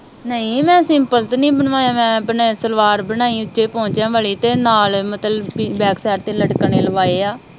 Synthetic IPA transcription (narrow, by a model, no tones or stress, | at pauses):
nəĩːmɛ̃ːəsɪ̃ːpəlt̪nĩːbəɳʋaːjaːmɛ̃ːəpɳeːsəlʋaːɾbənaːiːʊtʃeːpõːɲt͡ʃãːʋaːɭiːt̪eːnaːlmət̪ləbbɛːksɛːɾt̪eːləɽkneːləʋaːeːaː